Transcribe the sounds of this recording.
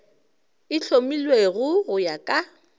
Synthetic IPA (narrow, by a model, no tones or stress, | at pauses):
ɪɬʰomilweɣʊɣʊjakʼa